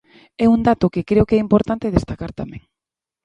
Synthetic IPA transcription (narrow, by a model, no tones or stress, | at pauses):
ɛund̪at̪okekɾeokɛimpoɾt̪ant̪eð̞est̪akaɾt̪amḛ̃ŋ